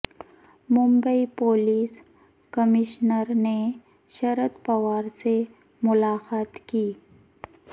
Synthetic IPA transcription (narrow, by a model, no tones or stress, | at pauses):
mʊ̃mbəipoːliːs | kəmɪʃnəɾne | ʃɐɾəd̪pɐʋaːɾse | mʊlaːxaːt̪kiː